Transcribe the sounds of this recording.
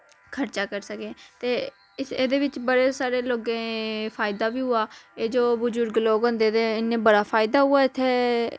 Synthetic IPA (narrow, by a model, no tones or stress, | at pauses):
kʰəɾt͡ʃaːkəɾsəkẽːt̪eː | eːd̪eːʋɪt͡ʃbəɽeːsaːɾeːloːɡẽːpʰaːɪd̪aːʋiːɦʊaːeːd͡ʒoːbʊd͡ʒʊɾɡloːɡɦõːnd̪eːd̪eːɪnẽːbəɽaːpʰaːɪd̪aːɦʊaːɪt̪ʰːeː